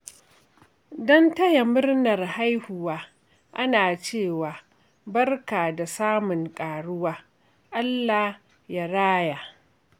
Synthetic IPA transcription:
dɔ˦ntɐ˦ja˨mʊ˦rnɐ˨rha˦jhʊ˨waː˦ | ʔa˦naː˨t͡ʃeː˦˨waː˨ | bɐ˦rkaː˨da˨saː˦mʊ˨ŋkʼaː˨ɽʊ˦waː˦ | ʔa˦lːa˨ | ja˦ɾaː˦jaː˨

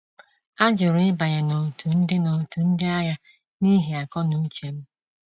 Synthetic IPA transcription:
a˦d͡ʒʊ˨ɾʊ˨ɪ˦ba˨ɲe˨no˨tʰu˨n̩˦dɪ˦no˨tu˨n̩˦dɪ˦a˦ɾa˦ | ni˦ɦi˨a˨kɔ˦nu˦t͡ʃe˨m̩˦

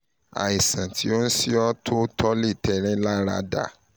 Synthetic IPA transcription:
a̰˨i˨sã˨tʰi˨˦o˦n̩˦si˦ɔ˦tʰo˦tʰɔ˦li˦˨tɛ˧ɾ̃ɛ̃˦la˦ɾa̰˧da̰˦˨

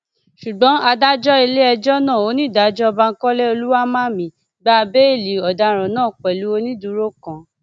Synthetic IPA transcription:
ʃu˨ɡ͡bɔ̃˨˦a˧da˦d͡ʒɔ˦i˧le˦ɛ˧d͡ʒɔ˦nã˦˨o˨˦nĩ˦˨da˨˦d͡ʒɔ˦ɔ˧ba˧ŋ̩˦kɔ˦lɛ˦o˧lu˦wa˦mã˦mĩ˨˦ | ɡ͡ba˦˧be˦i˦˨li˨ɔ˨da˨˧ɾ̃ã˨nãː˦˨k͡pɛ˨lu˨˦o˦nĩ˦du˧˦ɾo˦kã˧˨

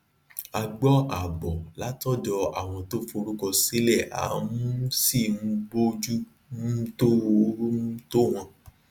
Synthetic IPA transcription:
a˧ɡ͡bɔ˦a˨bɔ˨la˨˦tɔ˦dɔ˧a̰˨w̃ɔ̃˧to˦fo˧ɾu˦kɔ˧se˦lɛ˦˨a̰˨˦mũ˦si˦˨m̩̃˧ɡ͡bo˦d͡ʒu˦ | n̩˦to˦˨˦to˦w̃ɔ̃˧

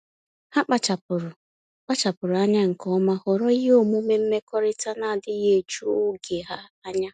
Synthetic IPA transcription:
ha˦k͡pa˦˨t͡ʃa˨pʊ˨ɾʊ˨ | k͡pa˦t͡ʃa˨pʊ˨ɾʊ˨a˦ɲa˦ŋ̩˨kɔ˦ma˦hɔ˨ɾɔ˦i˦ɦe˦o˦mu˦me˦m̩˦me˦kɔ˦ɾɪ˦ta˦na˨a˨dɪ˦je˦˨t͡ʃu˦ʊ˦ɡe˨ɦa˦a˦ɲa˦

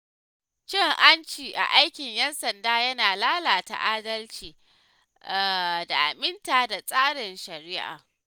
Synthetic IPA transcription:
t͡ʃɪ˦ŋʔa˦nt͡ʃiː˨ʔa̰˨ʔa˦jkʲɪ˨ɲjɛ˦nsɐ˨ndaː˦jɐ˦naː˨laː˦laː˨ta̰˨ʔaː˦dɐ˦lt͡ʃiː˨ | da˨ʔa˨mɪ˦ntaː˨da˨sʼaː˦ɽɪ˨nʃɐ˨ɾɪː˦ʔa̰ː˨

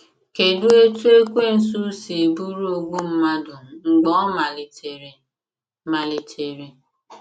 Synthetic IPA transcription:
ke˨du˦e˦tu˦e˦kʷe˦˨n̩˨s̬u˦si˨e˨bu˦ɾu˦o˨ɡu˦m̩˦ma˦dʊ˨ŋ͡m̩˨ɡ͡bɔ˨˦ma˨l | ma˨lɪ˨tʰe˨ɾe˨

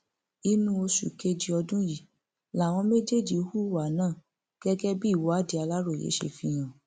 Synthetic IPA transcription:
i˧nũ˧o˧ʃṵ˨ke˧d͡ʒi˧ɔ˧dũ˦ji˨ | la˨w̃ɔ̃˧me˦d͡ʒe˦˨d͡ʒi˨o˧hu˦wa˨˦nãː˦˨ | ɡ̥ɛ˦ɡɛ˦bi˦i˦˨wɔ˨˦a˦˨di˧˦a˧la˦ɾo˦˨jḛ˨˦ʃḛ˧fĩ˧˦j̃ã˨

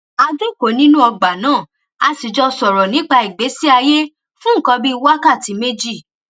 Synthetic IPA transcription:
a˧du˦˨ko˨˦nĩ˦nũ˦ɔ˧ɡ͡ba˨nãː˦˨ | a˧si˨d͡ʒɔ˧sɔ˨ɾɔ˨nĩ˨˦k͡pa˧i˨ɡ͡be˨˦si˦a˧je˦ | fũ˦ŋ̩˦˨kɔ̃˧bi˦˧wa˦ka˦˨ti˨˧˦me˦d͡ʒi˦˨

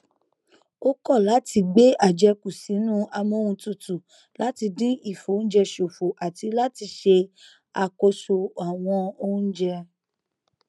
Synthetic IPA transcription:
o˦kɔ˦˨la˨˦ti˧ɡ͡be˦a˦˨d͡ʒɛ˧ku˨si˨˦nũː˦a˧mõ˦wũ˧tu˦˨tu˨ | la˦ti˧dĩ˦i˦˨fo˨˦n̩˦d͡ʒɛ˧ʃo˨fo˨ʔa˨ti˧la˦ti˧ʃe˧ | a˧ko˧so˧a˨w̃ɔ̃˧o˦n̩˦d͡ʒɛ˧

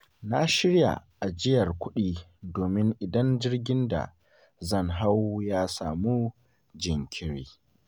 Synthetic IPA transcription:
na˦ʃɪ˦ɽja̰˨ʔa˨d͡ʒɪ˦jɐ˨rkʷʊ˦ɗiː˦doː˨mɪ˦ŋʔɪ˨dɐ˦nd͡ʒɪ˦rɡʲɪ˦nda̰˨ | zɐ˦˨ŋɦa˦wjaː˦saː˨muː˦ | d͡ʒɪ˨ŋkʲʰɪ˦ɽiː˦

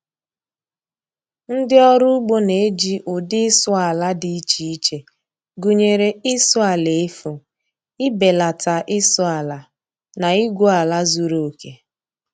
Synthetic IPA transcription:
n̩˦dɪ˦ɔ˦ɾʊ˦ɡ͡bo˦ne˨e˦d͡ʒi˦ʔʊ˨dɪ˦ɪ˦sʊ˦a˨la˦dɪ˦i˦t͡ʃi˨˦i˦t͡ʃe˨ | ɡu˨ɲe˨ɾe˨ɪ˦sʊ˦a˨le˨e˦fʊ˨ | ɪ˦be˨la˨ta˨ʔɪ˦sʊ˦a˨la˨ | na˨i˦ɡʷo˦a˨la˦zu˨ɾo˦˨o˨ke˨

